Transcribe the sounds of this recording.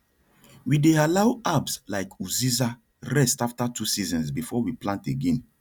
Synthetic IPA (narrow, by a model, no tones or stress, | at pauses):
widealawabslaɪkuziza | ɹɛstaftatʰusizɔ̃nsbifɔwiplãnteɡɛ̃n